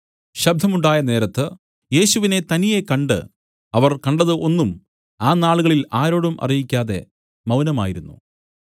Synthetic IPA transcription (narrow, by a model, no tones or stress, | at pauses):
ɕɐb̚d̪ʱɐmuɳɖaːjɐne̞ːɾɐt̪ːɨ | je̞ːɕuʋine̞t̪ɐnije̞kɐɳɖɨ̰ | ɐʋɐrkɐɳɖɐðɨʔo̞nːum | aːnaːɭuɣɐɭilaːɾo̞ːɽumʔɐ̰rijikʲːaːðe̞̰ | mɐwnɐma̰ːjiɾunːṵ